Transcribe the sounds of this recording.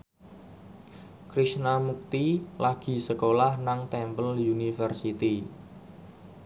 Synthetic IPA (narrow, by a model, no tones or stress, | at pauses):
kɾisnamuk̚t̪ilaɡ̥i̤səkolahnaŋt̪ɛmpəljunifərsit̪i